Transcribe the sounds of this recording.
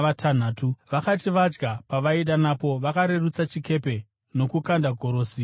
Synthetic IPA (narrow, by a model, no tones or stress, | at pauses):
ʋatʰan̤aːtuʋakatiʋad͡ʒɡapaʋaiɗanapo̞ʋakaɾe̞ɾut͡sat͡ʃike̞pe̞ | no̞kukandaɡʱo̞ɾo̞ːsi